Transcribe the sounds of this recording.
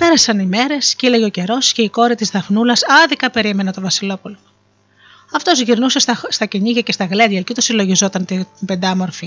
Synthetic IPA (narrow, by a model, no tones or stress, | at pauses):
pe̞ɾɐsɐnime̞ɾe̞sceleʝeoce̞ɾo̞sce̞iko̞ɾit̪izðɐfnulɐsɐðikɐpe̞ɾime̞net̪o̞vɐsilo̞pulo | ɐft̪o̞zʝiɾnuse̞st̪ɐst̪ɐceɲiʝɐcest̪ɐɣledjɐlcot̪osilo̞ʝizo̞t̪ɐnt̪ibe̞nd̪ɐmo̞ɾfi